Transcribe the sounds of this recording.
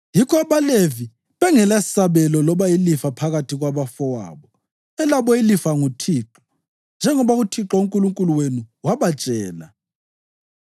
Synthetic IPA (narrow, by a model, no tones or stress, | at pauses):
jikʰɔaβalevi | βɛŋɛlasaβɛlɔlɔβajilifapʰaɣatʰiɣwaβafɔwa̰ːβɔ | ɛlaβɔilifaŋutʰiːǁɔ̥ | nd͡ʒʱɛŋɔβaɣutʰiǁauŋkʼuluŋkʼuluwenuwaβat͡ʃʼɛːla̰